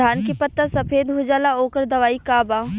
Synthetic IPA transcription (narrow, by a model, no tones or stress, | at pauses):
aːnkipət̪ːasɐpʰeːd̪ɦʊd͡ʒaːlaoːkəɾd̪ɐʋaːikaːbaː